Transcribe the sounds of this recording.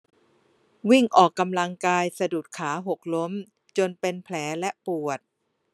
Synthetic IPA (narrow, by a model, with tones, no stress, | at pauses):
wi˥˩ŋʔɔː˨˩kːa˧mla˧ŋkaː˧jsa˧duː˨˩t̪̚kʰaː˩˦ɦo˨˩k̚lo˦˥m | t͡ɕo˧npe˧npʰlɛː˩˦lɛ˦˥ʔpu˨˩ət̪̚